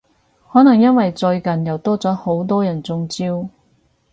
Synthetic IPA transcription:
hɔː˨˥nɐ˨˩ŋjɐ˥nwɐ˨jt͡sɵ˧ɥkɐ˨njɐ˨˩wt̪ɔː˥t͡sɔː˨˥ho˨˥wt̪ɔː˥jɐ˨˩nt͡sʊ˧ŋt͡siː˥w

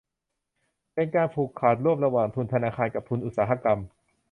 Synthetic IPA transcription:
pe˧nkaː˧npʰuː˨˩kʰːaː˨˩t̪̚ɾu˥˩əmɾa˧waː˨˩ŋt̪ʰu˧˩nt̪ʰa˧naː˧xʰaː˧nka˨˩p̚t̪ʰu˧nʔu˨˩t̪̚saː˩˦ɦa˧ka˧m

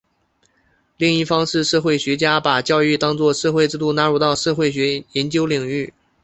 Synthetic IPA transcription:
li˥˧ŋi˥˩fɑ˥ŋʂɻ̩˥˧ʂɤ˥˧xwe˥˩ɪɕɥɛ˧˥t͡ɕja˥pa˨˩t͡ɕjɑ˥˧ʊy˥˩t̪ɑ˥ŋt͡swɔ˥˧ʂɤ˥˧xwe˥˧ʈ͡ʂɻ̩˥˧t̪u˥˩na˧˥ɻu˧˥t̪ɑ˥˧ʊʂɤ˥˧xwe˥˩ɪɕ̬ɥɛ˧˥jɛ˧˥nt͡ɕjo˥ʊli˨˩ŋy˥˩

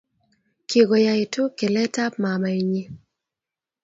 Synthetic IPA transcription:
ki˨ɡɔ˨ja˨ɪ˨tʊ˦ke˨lɛ˦ta˦pma˨ma˨i˨ɲi˦

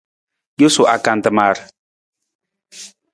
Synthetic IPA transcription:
jo˦su˨ʔa˨ka˨nt̪əma˨ɾ

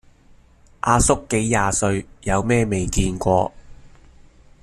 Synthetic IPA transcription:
ʔaː˧sʊ˥kːe˨˥jːaː˨˧sɵ˧ɥjɐ˨˧wmɛː˥me˨jkiː˧nkʷɔː˧

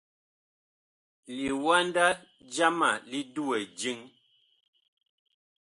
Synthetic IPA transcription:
li˨wa˦n˦da˦ | d͡ʒa˦ma˨li˦du˦ɛ˨d͡ʒi˦ŋ

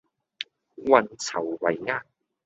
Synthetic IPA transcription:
wɐ˨nt͡sʰɐ˨˩wwɐ˨˩jŋaː˧˥

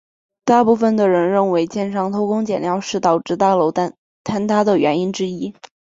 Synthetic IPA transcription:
t̪a˥˧pu˥˩fə˩nd̪ə˩ɻə˧˥nɻə˥˩nwe˧˥ɪt͡ɕjɛ˥˧nʂɑ˥˩ŋt̪ʰo˥ʊkʊ˥ŋt͡ɕjɛ˨˩nljɑ˥˧ʊʂɻ̩˥˩t̪ɑ˨˩ʊʈ͡ʂɻ̩˥˧t̪a˥˩lo˧˥ʊ˥ | t̪ʰa˥nt̪ʰa˥d̪ə˨ɥɛ˧˥ni˥nʈ͡ʂɻ̩˥i˥

